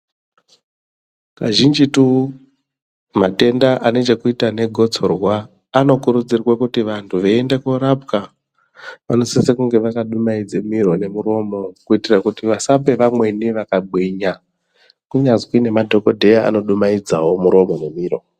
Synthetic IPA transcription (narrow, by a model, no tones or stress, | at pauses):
kaʒind͡ʒitu | mate̞ndaʔane̞t͡ʃekuitane̞ɡʱo̞t͡so̞rwaː | no̞kuɾud͡zirwakutiʋantʰuʋeendekuɾap̚ka | ʋano̞sisekuŋɡe̞ʋakaɗumaid͡zemiɾone̞muɾo̞mo̞kuitirakutiʋasape̞ʋamwe̞niʋakaɡ͡bʱwiɲa | kuɲazwine̞madʱo̞ko̞dʱe̞jaa̰no̞ɗumaid͡zawo̞muɾo̞mo̞nemiːro̞̰